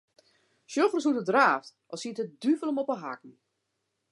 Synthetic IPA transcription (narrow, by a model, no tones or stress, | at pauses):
sjofrsutədraːftʔɔsiətədyvələmɔpəɦa̰kn̩